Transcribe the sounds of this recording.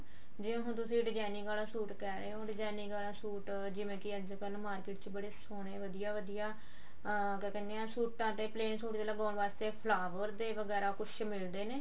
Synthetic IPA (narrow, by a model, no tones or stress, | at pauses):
d͡ʒɪ̃ɦʊnt̪ʊsĩːɖɪd͡ʒaːnɪ̃ŋɡaːlãːsuːʈkɛːɾəeɦõːɖɪd͡ʒaːnɪ̃ŋɡaːlãːsuːʈ | d͡ʒɪʋẽːkɪəd͡ʒkəlmaːɾkɪːʈt͡ʃbəɽeːsoːɽ̃eːʋəd̪ijaːʋəd̪ijaː | kːkɛːneãːsuːʈːãːt̪ẽːpleːnsoːʈid̪eːləɡãːʋaːst̪eːpʰlaːʋəɾd̪eːʋəɡɛːɾaːkʊt͡ʃʰmɪld̪eːneː